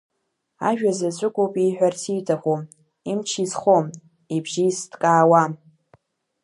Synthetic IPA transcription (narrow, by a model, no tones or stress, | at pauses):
a̰ʒᶣazazʷʼʊɡʷʼowpʼiħʷᶣarsʰijtʰʼaχom | imt͡ʃʰizχʷom | ibʒiistkʼaːwa